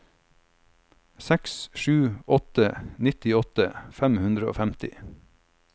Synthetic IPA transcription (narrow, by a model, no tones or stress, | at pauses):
sɛksʃʉːʔɔt̪ənɪt̪ɪɔt̪əfæmhʉnd̪ɾəo̰ːfæmt̪ɪ